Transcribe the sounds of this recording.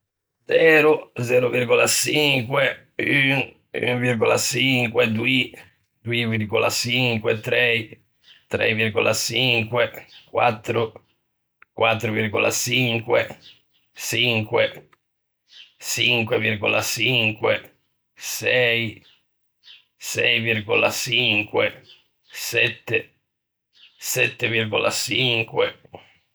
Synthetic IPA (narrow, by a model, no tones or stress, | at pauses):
dd̪zɛːɾud̪zɛːɾuviɾɡɔlaʃiŋkwɛ | yŋ | y̰ŋviɾɡɔla̰t͡ʃiŋkwɛd̪wi | d̪uiviɾɡɔla̰t͡ʃiŋkwɛt̪ɾɛj | t̪ɾɛ̰jviɾɡɔlat͡ʃiŋkwɛkwa̰t̪ːɾʊ | kwʔat̪ːɾuviɾɡɔla̰t͡ʃiŋkwɛ | siŋkwe | t͡ʃiŋkwevirɡɔlat͡ʃiŋkwe | sɛj | sɛjvirɡɔla̰ʃiŋkwe | sɛt̪ːe | sɛt̪ːevirɡɔla̰t͡ʃiŋkwe